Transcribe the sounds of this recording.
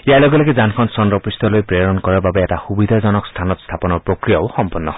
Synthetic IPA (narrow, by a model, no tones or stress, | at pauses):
ijalɔɡɔlaɡɛzankʰɔnsɔndɹɔpɹistʰɔlojpɹeɔɹɔnkɔɹababɛɛtaxubid̪ʱazɔnɔkstʰanɔtst̪ʰapɔnɔɹpɹokɹijaʊxɔmpɔnːɔɦ